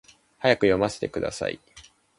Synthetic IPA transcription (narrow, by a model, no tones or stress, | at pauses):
hajakɯ̟jo̞mase̥t̪ekɯ̟d̪a̰sa̰ḭ